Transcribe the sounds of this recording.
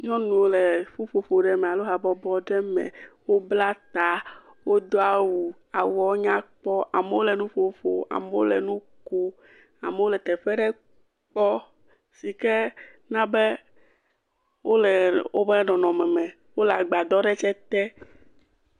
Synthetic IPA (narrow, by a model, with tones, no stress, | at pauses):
ɲɔ̃˦nũ˨wo˦lɛ˨fo˦fo˨fo˨ɖɛ˨mɛ˨a˨lo˦ɦa˨bɔ˨bɔ˦ɖɛ˦mɛ̰̃˨wo˦bla˦t̪a˨ | wo˦d̪o˦a˦wu˨ | a˨wɔ˨˦ɲã˦k͡pɔ˦ʔa˨me˦wo˦lɛ˨nũ˦fo˨fo̰˨a̰˨mɛ˦wo˦lɛ˨nũ˦ko˦ | a˨mɛ˨˦wo˦lɛ˨t̪ɛ˨fɛ˦ɖɛ˦ | k͡pɔ˦ | si˨kɛ˦ | nã˦bɛ˦ | wo˦lɛ˨wo˦bɛ˦nɔ̃˨nɔ̃˨mɛ̃˨mɛ̃˨ | wo˦la˨ɡ͡ba˨d̪ɔ˦ɖɛ˦t͡ʃɛ˦t̪ɛ˦